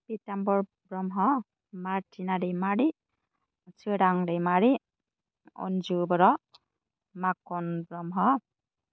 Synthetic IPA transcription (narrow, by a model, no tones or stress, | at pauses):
pitambɔɹ | bɾɔmɦɔ | maɹtʰinaɾejmaɾi | t͡ʃɯɾaŋɾejmaɾi | ɔ̰nd͡ʒubɔɾɔ | makɔnbɾɔmɦɔ